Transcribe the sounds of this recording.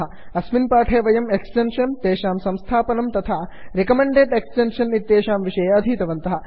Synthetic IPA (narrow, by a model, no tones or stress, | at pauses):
ɐ | ɐsminpaːʈʰeːʋɐjɐmeksʈenʂɐnt̪eːʃaːmsɐ̃mst̪ʰaːpɐnɐmt̪ɐt̪ʰaːɾekɐmeɳɖeːɖeksʈenʂɐnit̪ːeːʃaːmʋiʂɐjaɐd̪ʱiːt̪ɐʋɐnt̪ɐɦɐ̆